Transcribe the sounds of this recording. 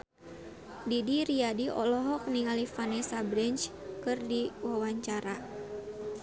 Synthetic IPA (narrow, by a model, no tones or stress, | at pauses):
didiɾiadiʔɔlɔɦɔk̚niŋalifanɛsabɾɛnt͡ʃkɨrdiwawaɲt͡ʃaɾa